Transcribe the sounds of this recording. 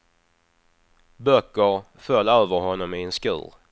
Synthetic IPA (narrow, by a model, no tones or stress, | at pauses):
bœkːəɾ | fœlːøːvəɾɦɔnːɔmɪɛnskʉ̟̰ːɾ